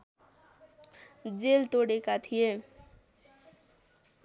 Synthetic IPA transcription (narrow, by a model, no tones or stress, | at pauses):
d͡zelt̪oɽekat̪ʰije